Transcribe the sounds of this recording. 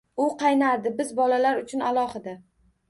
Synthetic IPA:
ʊqʰɑjnaɾd̪ɪbɪzbɒlalaɾʊt͡ʃʰʊnalˠɒhɪd̪a

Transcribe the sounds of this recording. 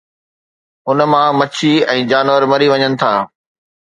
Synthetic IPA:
ʊn̆mãmɐt͡ɕʰiɛ̃ːd͡ʑaːnʋəɾmɐɾiʋɐɲənɪ̆t̪ʰaː

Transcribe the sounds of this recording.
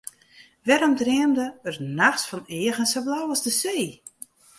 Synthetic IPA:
ʋɛɾɔmdreəmdəərnaxsfɔnɪəɣənsəblawɔzdəseː

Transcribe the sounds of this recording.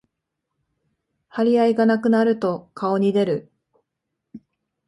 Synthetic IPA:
haɾʲiaiɡanakɯ̟naɾɯ̟t̪o̞kʰao̞ɲ̟id̪e̞ɾɯ̟

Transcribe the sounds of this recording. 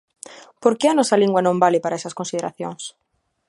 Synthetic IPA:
poɾkɪanɔsɐliŋɡwanõmbalɪpaɾaɛsɐskonsiðeɾaθjoŋs

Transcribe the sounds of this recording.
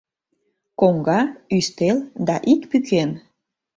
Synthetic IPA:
koŋɡɑyst̪eld̪ɑʔikpyken

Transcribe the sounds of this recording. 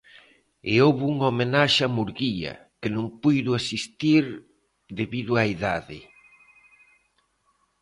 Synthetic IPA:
eowβuŋomenaʃamuɾɣiɐ̰kɪnõŋpujðʊasist̪iɾ | ðeβiðʊaiðaðɪ̰

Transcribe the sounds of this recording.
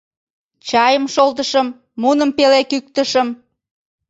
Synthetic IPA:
t͡ɕɑjəmʃolt̪əʃəmː | unəmpelekyk̚t̪əʃəm

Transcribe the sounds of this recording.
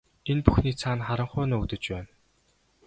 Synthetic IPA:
enpuxniːt͡sʰaːnχaɾə̆ɴχʊːnɔːut̪ɘ̆t͡ɕpæːn

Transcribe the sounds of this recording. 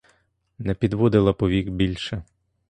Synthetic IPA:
nɛpʲid̪ʋɔd̪ɪlˠɐpɔʋʲikbʲilʲʃɛ

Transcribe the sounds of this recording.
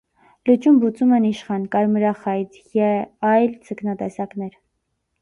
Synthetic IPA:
lut͡ʃumbut͡sumɛniʃχɑnkɑɾməɾɑχɑjt͡s | jɛɑjlt͡sʰəknɑt̪ɛsɑknɛɾ

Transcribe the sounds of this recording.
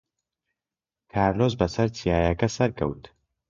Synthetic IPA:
kʰaːɾloːzbɐsɐɾt͡sʰijaːjɐkɐsɐɾkʰɐ̰wt̪

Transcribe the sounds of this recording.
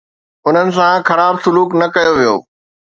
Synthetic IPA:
ʊn̤ənɪ̆s̬ãxɐɾaːbsʊluːknɐkɐjoʋijo̰ː

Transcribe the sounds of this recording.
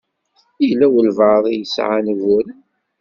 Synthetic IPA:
ilæwəlvɑðˤijəsʕa̰nvʊɾən

